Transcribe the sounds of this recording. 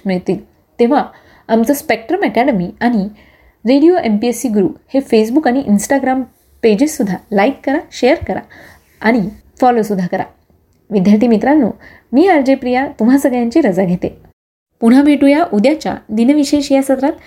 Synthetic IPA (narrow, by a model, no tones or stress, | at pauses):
miɭt̪iːl | t̪eʋ̤a | amt͡səspek̚ʈɾəmɛkæɽəmiaɽ̃i | ɾeɽijoʔempiesiːɡɾuːphefes̬bukaɽ̃iʔinsʈaɡɾam | ped͡ʑesːud̪ʱːalaikːəɾaɕejəɾkəɾa̰ | aɽ̃i | fɔlosud̪ʱːakəɾa̰ | ʋid̪ʱjaɾt̪iːmit̪ɾanːo̰ | miːaɾd͡ʑepɾijat̪um̤asəɡɭjãɲt͡ɕiɾəd͡zaɡʱet̪e | puɽ̤abʱeʈujaʔud̪jat͡ɕja̰d̪inəʋiɕeɕijasət̪ɾat̪